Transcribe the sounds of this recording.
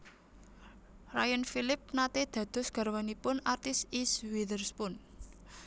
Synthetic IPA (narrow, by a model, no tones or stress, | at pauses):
rajənfilɪp̚nat̪ed̪̥ä̤d̪̥ɔ̤sɡ̥a̤rwanipʊnart̪ɪsiswidərspʊn